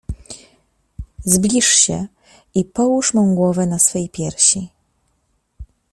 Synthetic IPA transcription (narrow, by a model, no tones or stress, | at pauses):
zblʲiʂɕɛ | ipɔwuʂmɔ̃w̃ɡwɔvɛnasfɛjpʲjɛɾɕi